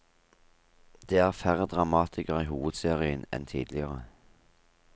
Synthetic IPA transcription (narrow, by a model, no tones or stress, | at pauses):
d̪̥eːæːʁfæʁəd̪ʁɑmɑːt̪ʰɪkəʁiːhuːʋəd̪seːʁɪənɛ̰nt̪ʰḭːd̪lɪəʁə